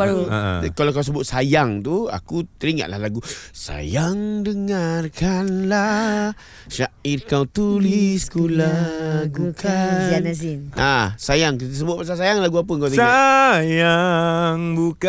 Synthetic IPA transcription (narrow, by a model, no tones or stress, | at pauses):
baɾṵkalawkaws̬əbʊt̪̚sajaŋt̪ua̰kut̪əɾiŋa̰ʔla̰hlaɡusa̰jaŋdəŋarkanla | ʃaʔirkawt̪uliskulaɡukaanazinasajaŋkt̪əs̬əbʊt̚pasasajaŋlaɡuap̬əkawt̪isajaŋbuka